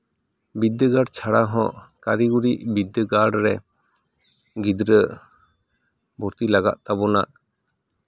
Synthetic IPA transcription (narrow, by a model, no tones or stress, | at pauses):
bid̪əɡaɖt͡ʃʰaɽaɦɔ̰̃ʔkaɾiɡuɾiʔbid̪əɡaɽɾɛ | ɡid̪ɾə | bʱɔɾt̪ilaɡa̰ʔ̪̚t̪abɔna̰ʔ